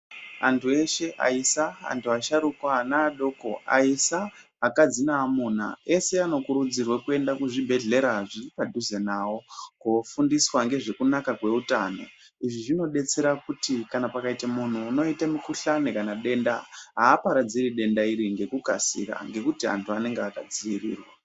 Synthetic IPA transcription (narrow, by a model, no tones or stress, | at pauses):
antʰue̞ʃe̞ʔa̰isaa̰ntʰuaʃaɾukwanaːɗo̞ːko̞a̰isaː | kad͡zinaːmuna̰e̞se̞ano̞kuɾud͡zirwakue̞ndakuʐibʱe̞ɮe̞ɾaʐiripadʱuzenawo̞kofundiswaŋɡe̞ʐe̞kunakakwe̞utano̞ | iʐiʐino̞ɗe̞t͡se̞ɾakutikanapakaitamun̤uːno̞itamikuɬanekanaɗe̞ndaɦaːpaɾad͡ziriɗe̞ndaiɾiŋɡe̞kukasḭka̰ŋɡe̞kutia̰ntʰuane̞ŋɡeakad͡ziirḭːrwa